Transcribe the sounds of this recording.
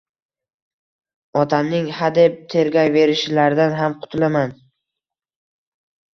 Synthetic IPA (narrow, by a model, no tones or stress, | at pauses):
ɒt̪ʰamnɪŋhad̪ep̚t̪ʰe̞ɾɡʲajve̞ɾɪʃɪlaɾd̪anɦamqʰʊt̪ʰɪlaman